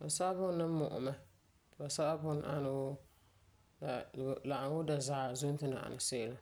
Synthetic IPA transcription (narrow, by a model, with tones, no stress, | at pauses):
ba˨sa˦a˦bʊ˦nɨ˦mʊ˨ʔʊ̰˨mɛ˦ | tba˨sa˦ʔa˦bʊ˦n˨ʔa˦nʊ˨w | a˨la˨ʔa˨ŋwʊ˦da˨za˨zʊ˦n˦tɨ˦na̰˨ʔa̰˨na˨se˦ʔla˨